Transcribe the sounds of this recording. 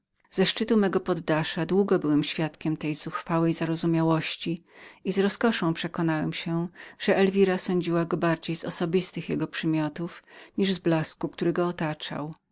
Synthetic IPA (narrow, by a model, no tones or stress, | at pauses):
z̥ɛʂt͡ʂɘt̪umɛɡɔpɔd̪ːaʂad̪wuɡɔbɘwɛmɕfʲjat̪kʲɛmt̪ɛjz̥uxfawɛjzaɾɔzumʲjawɔɕt͡ɕiizɾɔskɔʂɔ̃w̃pʂɛkɔnawɛmɕɛʐ̥ɛʔɛlvʲiɾasɔɲd͡ʑiwaɡɔbaɾd͡ʑejzɔsɔbʲist̪ɘxjɛɡɔpʂɘmʲjɔt̪ufɲiʐzblaskuk̚t̪uɾɘɡɔːt̪at͡ʂa̰w